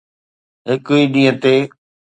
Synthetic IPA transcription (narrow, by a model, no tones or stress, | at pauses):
ɦɪkʊiːɗĩːə̃t̪eː